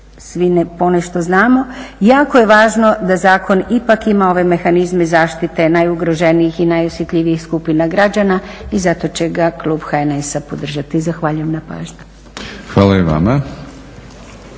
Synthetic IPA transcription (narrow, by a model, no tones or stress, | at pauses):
sʋinepo̞neʃt̪o̞znaːmo̞jaːkoje̞ʋaːʒno̞d̪azaːko̞nipakimao̞ʋe̞me̞xanizmezaːʃt̪it̪e̞najuɡɾoʒe̞niixinajosjet̪ʎʲiʋijixskupinaɡɾad͡ʒanaizat̪o̞t͡ɕe̞ɡaklˠuːbxaenesapod̪r̩ʒat̪izaxʋaʎujemnapa̰ːʒɲu̥ | xʋaːlaiʋa̰ma